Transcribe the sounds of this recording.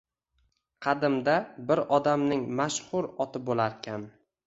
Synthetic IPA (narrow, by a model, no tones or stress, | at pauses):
qʰɑd̪ɪmd̪abɪɾɒd̪amnɪŋmaʃhʊɾɒt̪ʰɪbolaɾkʲʰan